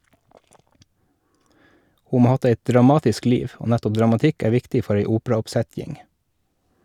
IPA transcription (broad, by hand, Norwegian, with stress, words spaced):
ˈhuː ˈmoː ˈɑː ˈɑt ˈeɪtd ɾɑˈmɑːtɪsk ˈliːʋ ˈoː ˈnætɔp dɾɑmɑˈtɪk ˈæː ˈʋɪktɪ ˈfɔɾ ˈeɪ ˈuːpɾɑɔpˌsɛtjɪŋ